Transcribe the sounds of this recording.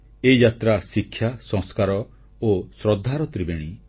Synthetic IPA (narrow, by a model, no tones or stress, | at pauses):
eid͡ʒat̪ɾasikʰːjasɔ̃ŋskaɾɔ | osɾɔd̪ʱːaɾɔt̪ɾibeɽ̃i